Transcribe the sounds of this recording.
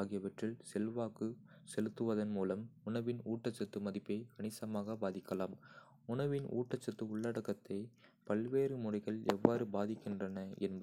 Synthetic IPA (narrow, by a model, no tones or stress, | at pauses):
ɣɪjɐʋɐʈrɪlsɛlʋaːkɯ | sɛlɯt̪ːɯʋɐðɐnmuːlɐmʊɳɐʋɪnuːʈːɐt͡ʃːɐt̪ːɯmɐðɪpːeːkɐɳɪsɐmaːɣɐbaːðɪkːɐlaːm | ʊɳɐʋɪnʔṵːʈːɐt͡ʃːɐt̪ːɯʊɭːɐɽɐkːɐt̪ːɐɪ | pɐlʋeːɾɯmʊrɐɪɣɐɭɛ̰ʋːaːɾɯbaːðɪkːɪndrɐnɐɛ̰nbɐ